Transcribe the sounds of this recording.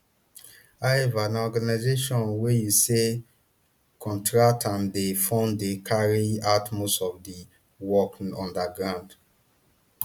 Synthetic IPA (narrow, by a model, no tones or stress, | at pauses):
aevanaɔɡanaɪzeʃɔ̃nwejuse | kʰɔ̃ntʰɹatãndefɔ̃ndekʰaɹiatmosɔvdi | wɔkɔ̃ndaɡɹãnd